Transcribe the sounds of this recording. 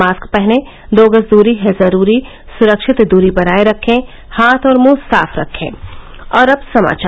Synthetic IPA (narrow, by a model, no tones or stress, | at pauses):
aːskpɛɦne | d̪oːɡəsd̪uːɾiɦɛzɐɾuːɾi | sʊɾəkʃɪt̪d̪uːɾibɐnaːeɾɐkʰːẽ | haːt̪ʰɔːɾmũːsa̰ːfʰɾɐ̰kʰːḛ̃ːɔːɾɐbsɐma̰ːt͡ʃː